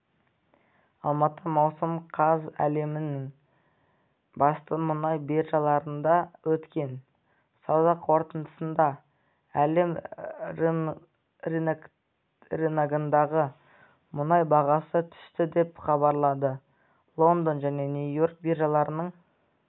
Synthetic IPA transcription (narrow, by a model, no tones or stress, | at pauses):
ɑlˠmɑt̪əmɑwsəmqʰɑzæ̰le̞mɪnɪŋ | bɑst̪əmʊnɑjberʒɑlˠɑɾənd̪ɑwɵt̪kʲe̞n | sɑzɑqʰo̞ɾt̪ənd̪əsənd̪ɑ | æle̞m | r | ɾenaɡənd̪ɑʁə | mʊnɑjbɑʁɑsət̪ʰʏ̥st̪ɪd̪e̞pχɑbɑɾlˠɑd̪ə | lˠo̞nd̪onʒæne̞nujo̞ɾk̚biɾʒɑlˠɑɾənəɴ